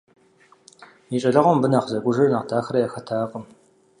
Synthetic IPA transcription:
miːt͡ʃʼɐɮɐʁɔmbɨnaːqzɐkʷʼʊʒɐrnaːqdʰaːxɐɾɐjaːxɐtʰaːqʼəm

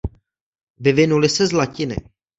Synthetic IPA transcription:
vɪvɪnulɪsɛzlacɪnɪ̰

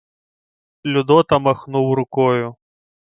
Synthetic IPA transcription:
lʲud̪ɔt̪ɐmaxnuwɾʊkɔjʊ

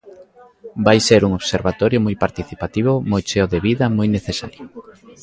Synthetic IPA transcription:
bajseɾuŋoβseɾβat̪ɔɾjomojpaɾt̪iθipat̪iβ̞ʊmojt͡ʃeoðeβiðɐmojneθesa̰ɾjo

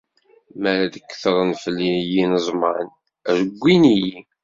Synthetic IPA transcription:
mæɾæd̪əkːθəɾˤənfəlːinjinəzˤməʕən | əɾəɡʷːiniji

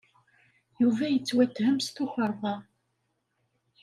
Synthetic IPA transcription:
juvæjət͡sːwæt̪ːhəmst̪ʊçəɾˤðˤɑ

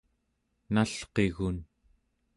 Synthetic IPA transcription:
naɬqe̞ɣun

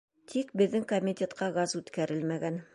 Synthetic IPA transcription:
t̪ʰikbɘ̆ðːɘŋkomʲitʲet̪qɑɡɑzʉt̪kæɾɘlmæɡæn

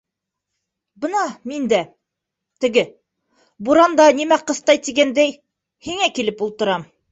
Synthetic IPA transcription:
bɤ̆nɑmind̪æ | t̪ɘ̆ɡɘ | buɾɑnd̪ɑnimæqɤ̆st̪ɑjt̪iɡænd̪æj | hiŋækilɘpulˠt̪ɤ̆ɾɑm

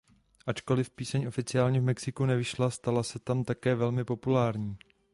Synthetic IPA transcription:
ʔat͡ʃko̞lɪfpiːsɛɲʔo̞fɪt͡sɪaːlɲɛvmɛksɪkunɛvɪʃlast̪alasɛt̪amt̪akɛːvɛlmɪpo̞pulaːɾɲiː

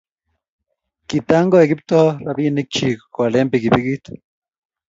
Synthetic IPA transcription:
kit̪aŋɡoeɡip̚t̪oraβinik̚t͡ʃikkːʷalempikipikit̪

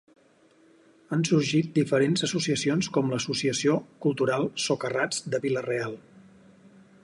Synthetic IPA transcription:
ənsuɾʒit̪̚d̪ifəɾenzəsusiəsionskɔmləsusiəsiokulˠt̪uɾalˠsokərad͡zd̪əβilərealˠ

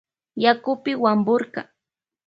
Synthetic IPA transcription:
jakʊpɪwambʊɾkɑ̰

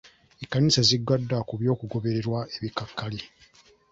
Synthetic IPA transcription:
ekːanisaziɡwadːakuβjo̞ːkuɡo̞βe̞ɾe̞ɾwaeβikakːali

